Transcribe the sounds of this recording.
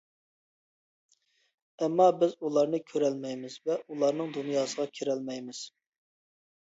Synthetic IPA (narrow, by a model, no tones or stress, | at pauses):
ɛmːɑbɪzulˠɑɾnɨkʲʰøɾɛlmɛjmɪz̥vɛulˠɑɾnɨŋd̪unjɑːsəʁɑkʲʰeɾɛlmɛjmɪz̥